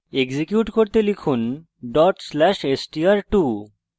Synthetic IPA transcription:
eɡzikjuʈkoɾt̪elikʰun | ɖɔʈslɛʃesʈiaɾʈu

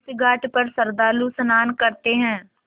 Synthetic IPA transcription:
sɡʱaːʈpəɾsɐɾd̪aːlusənaːnkɐɾt̪eɦɛ̃ː

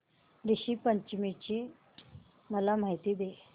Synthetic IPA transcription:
ɾiɕiːpəɲt͡ɕmit͡ɕiː | məlam̤aɦit̪iːd̪e

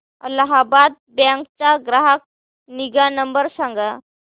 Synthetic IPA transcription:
əlaɦabad̪̚bãŋk̚t͡saɡɾaɦak̚ | niɡanəmbəɾsãŋɡa

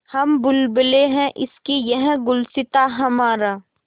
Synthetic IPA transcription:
hɐmbʊlbəleɦɛ̃ʔɪ̰skijɐɦɡʊlsɪt̪aɦɐmaːɾaː

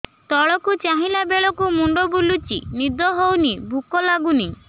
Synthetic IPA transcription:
t̪ɔɭɔkut͡ʃaɦĩlabeɭɔkumuɳɖɔbulut͡ʃḭnid̪ɔɦownibʱukɔlaɡuni

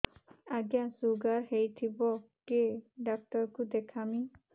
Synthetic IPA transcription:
aɡjasuɡaɹɦejt̪ʰibɔ | keɖak̚tɔɹkʊd̪ɛkʰami

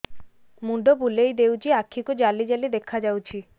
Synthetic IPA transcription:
muɖobulejd̪ewd͡ʑiakʰːikud͡ʑalid͡ʑalid̪ekʰad͡ʑawt͡ɕʰi

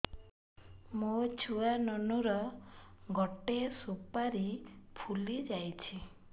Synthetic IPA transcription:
mot͡ʃʰuanɔnuɾɔ | ɡɔʈesupaɾipʰulid͡ʒajt͡ʃʰi

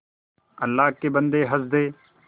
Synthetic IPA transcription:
əlːaːɦkeːbənd̪eːɦəsd̪eː

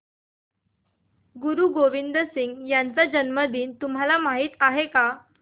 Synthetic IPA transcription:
ɡuɾuːɡoʋind̪əsiŋɡjant͡sad͡ʑənməd̪iːnt̪um̤ɦalamaɦiːt̪aɦeka

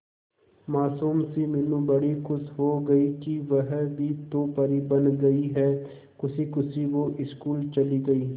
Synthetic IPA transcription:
maːsuːmsimɪlũbɐɽikʊsɦoɡɐikiʋɐɦbʱit̪oːpɐɾibɐ̃nɡɐiɦɛː | kʊsikʊsiʋoʔɪskuːlt͡ʃɐliɡɐiː

